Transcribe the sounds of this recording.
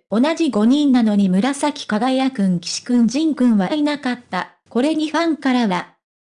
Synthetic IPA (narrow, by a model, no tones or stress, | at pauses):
o̞nad͡ʑiɡo̞ɲ̟ĩnːano̞ɲ̟imɯ̟ɾasakʲi̥kaɡaijakɯ̟̃ŋkʲi̥ɕi̥kɯ̟̃ɲ̟d͡ʑĩŋkɯ̟̃ɰ̃βainakat̪ːa | ko̞ɾe̞ɲ̟iɸãŋkaɾaβa